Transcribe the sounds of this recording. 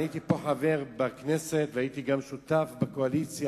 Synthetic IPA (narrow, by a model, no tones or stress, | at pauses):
it̪ipo̞ħaveʁbakneset̪veait̪iɡamʃut̪afbeko̞alit͡sja